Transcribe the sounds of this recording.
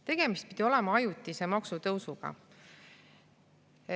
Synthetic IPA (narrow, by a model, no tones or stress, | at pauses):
t̪e̞ɡ̥e̞mist̪̚pid̪̥ʲio̞le̞mɑɑjut̪ːˑise̞mɑksut̪ɤwsuɡ̥ɑ̰